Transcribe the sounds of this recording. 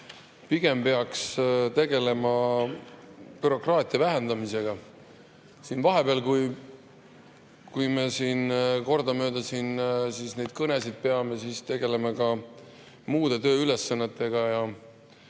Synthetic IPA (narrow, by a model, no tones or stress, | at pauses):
piɡ̥e̞mpe̞ɑkst̪e̞ɡe̞le̞mɑ | pyɾo̞krɑːt̪ʲˑiɑvæɦe̞nd̪ɑmise̞ɡ̥ɑ | sinvɑɦe̞b̥eɑlkuj | kujme̞siːnko̞rd̪ɑmø̞ːd̪ɑsinsisne̞jd̪̥kɤne̞sid̪̥̚pe̞ɑme̞sist̪e̞ɡe̞le̞mɑkɑ | muːd̪̥e̞t̪ø̞ːyle̞sːɑnːet̪ːˑe̞ɡ̥ɑjɑ